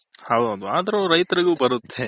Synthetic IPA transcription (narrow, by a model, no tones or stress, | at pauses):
hɐwdɐd̪uaːd̪ɐɾoɾɐjt̪ɐɾiɡuːbɐɾut̪ʰːe̞